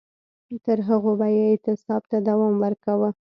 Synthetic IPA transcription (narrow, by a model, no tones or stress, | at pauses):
t̪əɾɦəɣobajaɪt̪ɪsɑb̚t̪ad̪awɑmwəɾkawə